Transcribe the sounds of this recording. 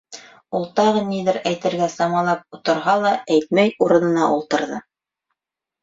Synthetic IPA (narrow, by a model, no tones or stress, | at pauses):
ulˠt̪ɑʁɤniðɘɾæjt̪ɘ̆ɾɡæsɑmɑlˠɑp̚ut̪ɤ̆ɾɦɑlˠɑæjt̪̚mæjuɾɤ̆nɤ̆nɑʔulˠt̪ɤ̆ɾðɤ